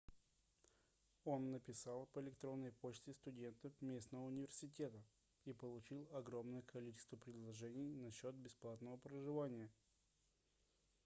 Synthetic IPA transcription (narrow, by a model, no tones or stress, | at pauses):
o̞nːəpʲɪsalˠpəɪlʲɪkt̪ɾo̞nːəjpot͡ɕt̪ʲɪst̪ʊdʲe̞nt̪əfmʲe̞snəvəʊnʲɪvʲɪrsʲɪtʲe̞t̪ə | ipəlˠʊt͡ɕilˠɐɡɾo̞mnəjəkʰɐlʲit͡ɕɪst̪vəpɾʲɪd̪lˠɐʐɛnʲɪjnɐɕːo̞t̪̚bʲɪsplˠat̪nəvəpɾəʐɨvanʲɪjə